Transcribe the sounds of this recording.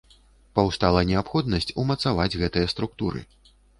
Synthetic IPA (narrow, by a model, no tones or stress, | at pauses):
pawst̪alˠɐnʲɛapxɔd̪̚nɐsʲt͡sʲumɐt̪savad͡zʲɣɛt̪ɨjɐst̪ɾukt̪uɾɨ̰